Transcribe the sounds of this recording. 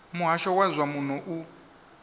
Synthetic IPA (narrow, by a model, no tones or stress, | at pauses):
muɦaʃɔwazʷamun̤ɔʔu